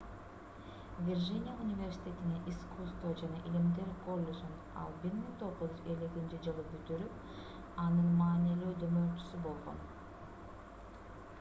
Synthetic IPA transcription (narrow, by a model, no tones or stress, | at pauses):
vʲirʒinʲɪjaunʲivʲe̞rsʲi̥t̪ʲe̞t̪ineʔiskust̪vod͡ʒɑnɑʔilimd̪e̞ɾko̞lʲːed͡ʒin | ɑ̰lˠbiɾmiŋt̪ʰo̞ʁuzyzelekint͡ʃid͡ʒɯlˠɯbyt̪yɾyp | ɑnɯnmɑːniløːd̪ømø̞ɾt͡ʃy̥sybo̞lˠʁo̞̰n